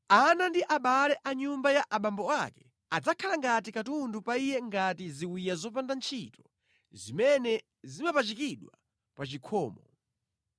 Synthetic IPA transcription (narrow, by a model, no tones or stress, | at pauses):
anandiʔaɓalɛʔaɲumbajaʔaɓambɔakɛ̥ | ad͡zakʰalaŋɡat̬ikatundupaijɛŋɡatiziwijazɔp̬andant͡ʃʰitɔ | zimɛnɛ | zimapat͡ʃikiɗwa | pat͡ʃikʰɔːmɔ